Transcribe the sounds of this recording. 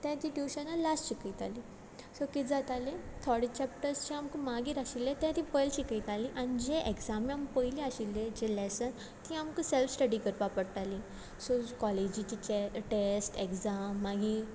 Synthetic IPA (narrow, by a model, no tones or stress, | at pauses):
t̪ãt̪iʈiɕanalasɕikit̪ali | sokid͡zat̪alẽt̪ʰɔɽit͡ɕɛp̚ʈəɾst͡ɕiamkumaɡiːɾaɕilet̪ɛ̃t̪ipəjlɕikit̪aliʔañid͡ʑeʔekzamiampəjliaɕilːed͡ʑelɛsən | t̪iamkəselfsʈəɽikəɾpapəɽʈ̪ali | sokɔled͡ʑit͡ɕit͡ɕeʈesʈekzamːaɡi